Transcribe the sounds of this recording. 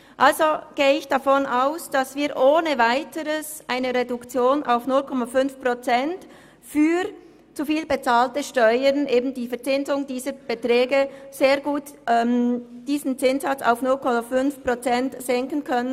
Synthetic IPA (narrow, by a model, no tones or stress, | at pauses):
ʔalzoɡ̥eːəɪçd̥afɔnaʊsd̥asviːɐʔoːnəvaɪtəɾəsʔaɪnəʁedʊkt͡sjoːnʔa̰ʊfnʊlkʰɔmafʏnfpʁ̥ot͡sɛnt | fyː | t͡sufiːlbet͡saːltəʃtɔʏənʔeːbn̩d̥iːfɛɐt͡sɪnzʊŋd̥iːzəb̥etʁɛːɡəz̥eːɐɡuːt | ʔɛmd̥iːzn̩t͡sɪnsat͡sa̰ʊfnʊlkʰɔmafʏnfpʁ̥ot͡sɛntz̥ɛŋkən̩kʰœnən